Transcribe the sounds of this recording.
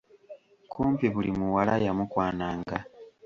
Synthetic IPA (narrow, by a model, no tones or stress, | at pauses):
kuːmpiβulimuwalajamukwaːnaːŋɡa